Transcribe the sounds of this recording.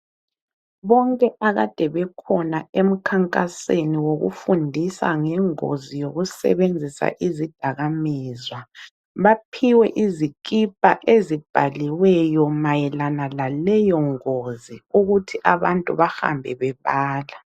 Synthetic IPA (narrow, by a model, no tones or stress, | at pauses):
βɔŋkʼɛʔaɣad̥ʱɛβɛkʰɔnaem̩kʰaŋkʼaseniwoɣṵfundʱisa̰ŋɛŋo̰zijoɣusɛ̰βend͡zʱisa̰ʔizid̥ʱaɣamiːzwa | βapʰiwɛʔizikʼipʼaʔezib̥ʱaliwɛjɔmajɛlanalalɛjɔŋoziuɣutʰiʔaβantʼṵβaxa̰mbʱɛβɛβaːla